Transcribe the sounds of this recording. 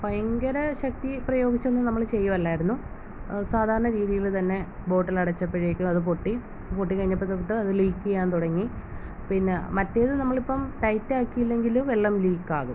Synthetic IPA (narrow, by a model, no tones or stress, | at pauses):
pɐjɐŋɡɐɾɐɕɐk̚t̪iprɐjo̞ːɡit͡ɕːo̞nːɨnɐmːɐɭt͡ɕe̞jːɐmɐlːaːjiɾunːu | saːd̪ʱaːɾɐɳɐɾiːðijilt̪ɐnːe̞bo̞ːʈːɐlɐɽɐt͡ɕːɐpːeɻekʲːumɐðɨp̬oʈːi | poʈːikɐɻiɲːɐpːet̪ːɐpɐt̪ːɨɐðɨliːkːuɣɐjaːnt̪uɽɐŋːi | pinːemɐtːejɐðɨnɐmːɐɭipːɐmʈɐjtːaːkːijilːe̞ŋɡilumʋeɭːɐmliːkːaːɣum